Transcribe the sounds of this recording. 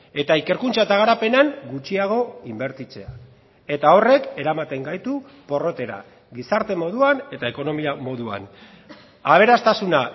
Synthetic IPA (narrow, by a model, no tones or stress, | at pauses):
e̞t̪aike̞ɾkunt͡saet̪aɣ̞aɾape̞naŋɡut͡ʃiaɣ̞o̞imbe̞ɾt̪it͡se̞a | e̞t̪ao̞re̞ke̞ɾamat̪e̞ŋɡajt̪u | po̞ro̞t̪e̞ɾa̰ | ɡisaɾt̪e̞mo̞ðuane̞t̪ae̞ko̞no̞miamo̞ðua̰n | aβ̞e̞ɾast̪asuna